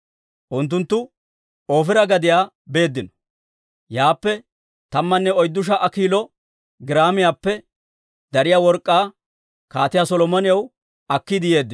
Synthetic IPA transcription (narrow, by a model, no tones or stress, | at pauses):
ʔʊnt̪̬ːʊnt̪ːʊ | oːfɪɾɐɡɐd̪ɪjaː | be̞ːd̪ːɪnɔ̥ | jaːpːɛ | t̪ɐmːɐnːɛɔjd̪ːʊʃ̬ɐʔɐkiːlɔ | ɡɪɾaːmɪjaːpːɛ | d̪ɐɾɪjaːwɔɾkʼːaː | kaːt̪ɪjasɔlɔmɔnɪjɐw | ɐkːid̪ɪje̞ːd̪ːɪ